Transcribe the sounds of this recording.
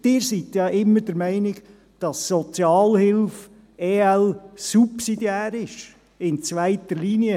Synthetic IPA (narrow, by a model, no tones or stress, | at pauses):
d̥ɪːɾsit̪jɑʔɪmːəɾd̥əɾmɛɪnɪɡ | d̥ɑsːɔt͡sjɑːlhɪlf | eːɛlsupsidijæːɾɪʃ | ɪnt͡sʋæɪt̪əliːniə